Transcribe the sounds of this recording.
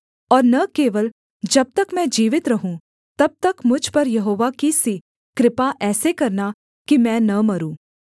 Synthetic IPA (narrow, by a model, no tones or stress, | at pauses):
ɔːɾnɐkeːʋəl | d͡ʒɐb̚t̪ɐkmɛ̃d͡ʒiːʋɪt̪ɾɐɦũ | t̪ɐb̚t̪ɐkmʊd͡ʒʱpɐɾjɐɦoːʋakisi | kɾɪpaʔɛːsekɐɾna | kimɛ̃ːnɐmɐɾũː